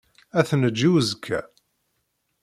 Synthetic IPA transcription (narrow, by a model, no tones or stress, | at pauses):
æθnəd͡ʒːiwəzkʰːæ̰